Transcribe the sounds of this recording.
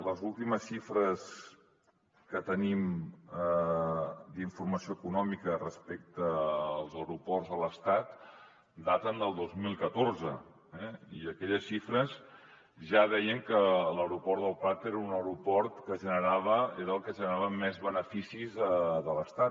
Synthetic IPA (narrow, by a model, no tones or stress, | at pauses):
ləzulˠt̪iməsʃifɾəs | kət̪ənimə | d̪iɱfurməsioəkunɔmikərəspɛk̚t̪əːlˠzəwɾupɔrzðələst̪at̪ | d̪at̪ənd̪əlˠd̪ozmilˠkət̪orzə | ɛiəkɛʎəsʃifɾəz | ʒaðɛjəŋkələwɾupɔɾt̪d̪əlˠpat̪eɾəunəwɾupɔɾt̪kəʒənəɾaβəeɾəlˠkəʒənəɾaβəmːɛzβənəfisizəðələst̪at̪